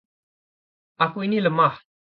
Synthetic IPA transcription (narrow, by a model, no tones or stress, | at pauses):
akujniləma